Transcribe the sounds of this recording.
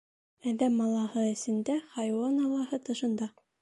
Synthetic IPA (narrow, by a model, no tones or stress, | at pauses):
æðæmːɑlˠɑhɤɘ̆sɘ̆nd̪æχɑjwɑnɑlˠɑhɤt̪ɤ̆ʃɤ̆nd̪ɑ